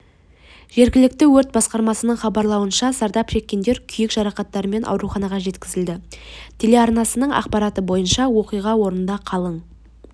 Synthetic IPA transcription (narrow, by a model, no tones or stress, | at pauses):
ʒ̥e̞ɾɡʲɪlɪk̚t̪ɪwɵɾt̪̚bɑsqɑɾmɑsənəɴχɑbɑɾlˠɑwənʃɑsɑɾd̪ɑpʃe̞kʲːe̞nd̪e̞ɾkʲʰʏjɪkʒ̥ɑɾɑqɑt̪ːɑɾəme̞nʔɑ̰wɾuχɑnɑʁɑʒe̞t̪kʲɪzɪld̪ɪt̪ʰe̞leɑɾnɑsənəɴɑ̰qpɑɾɑt̪əbo̞jənʃɑwo̞qijʁɑwo̞ɾənnd̪ɑqʰɑlˠəɴ